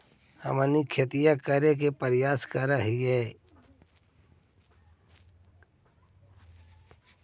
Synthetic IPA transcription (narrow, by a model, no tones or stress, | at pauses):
hə̰mənikʰet̪ijakəɾek̬epəɾɪjaːskəɾəɦiɦɛː